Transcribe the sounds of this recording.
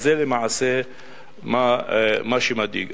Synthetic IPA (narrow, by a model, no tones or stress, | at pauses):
zeːlimaʕase | mamaʃimad̪ḭːɡ